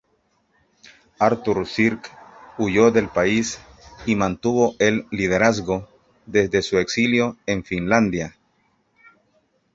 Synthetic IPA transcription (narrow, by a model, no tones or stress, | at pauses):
aɾt̪uɾsiɾkuʝoðe̞lpais | imãnt̪uβo̞ʔelːið̞eɾazɡo̞ | ðe̞zðe̞sueksiljo̞eɱfinland̪ja